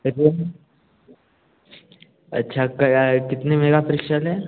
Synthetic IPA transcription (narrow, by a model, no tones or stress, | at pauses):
ɐɾiɐ | ɐ̰tːʃʰakkɪt̪nemeːɡapɐɾɪkʃalɦɛ